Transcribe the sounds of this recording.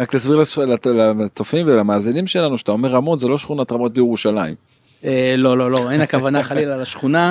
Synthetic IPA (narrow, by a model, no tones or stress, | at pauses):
ʁaklasbiʁlalalat͡sofimvelamaːzinimʃe̞lanuʃe̥t̪aomeʁamo̞t̪zelo̞ʃχunatʁamo̞t̪̚bejeʁuʃalaim | elo̞lo̞lo̞ejnakavanaχalilalaʃχuna